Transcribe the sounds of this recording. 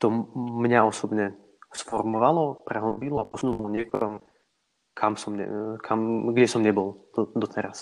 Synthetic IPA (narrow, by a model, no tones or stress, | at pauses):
t̪ɔmɲaɔsɔbɲɛ | sfɔɾmɔʋalɔpɾɛɦɔbilɔapɔsnumɔɲɛkɔ̰ɾɔm | kʰamsɔmɲɛ̰kʰamɡɟɛsɔmɲɛbɔlɔd̪ɔt̪ʰɛɾas